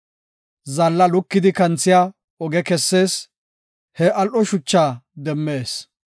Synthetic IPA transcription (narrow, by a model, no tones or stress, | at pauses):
zɐlːɐlʊkːɪd̪ɪkɐnt͡sːɪjaː | ɔɡɛkɛsːe̞ːs | hɛʔɐlʔɔʃʊt͡ʃːaːd̪ɛmːe̞ːs